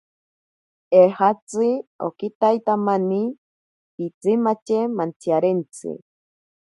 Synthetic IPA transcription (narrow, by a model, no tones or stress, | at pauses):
ehat͡sɨo̰kit̪ajt̪amani | pit͡simat͡ʃemant͡sʰjaɾent͡sɨ̰